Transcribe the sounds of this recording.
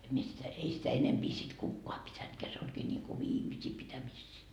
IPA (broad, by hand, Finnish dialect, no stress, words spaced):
em mie sitæ ei sitæ enempi sit kukːoɑ pitæntkeæ se olʲkiː nʲiŋku ʋiːmisiː pitæmisːiː